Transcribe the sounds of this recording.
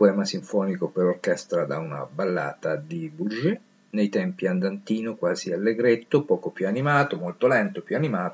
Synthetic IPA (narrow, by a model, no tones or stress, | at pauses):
poɛːmasiɱfɔːnikopeɾorkɛst̪ɾad̪auna̰balːa̰ːt̪ad̪ibud͡ʒe | nejt̪ɛmpiand̪ant̪iːnokwaːzialːeɡɾet̪ːopɔːkopjuanimaːt̪omolt̪olɛnt̪opjuanimaːt̪o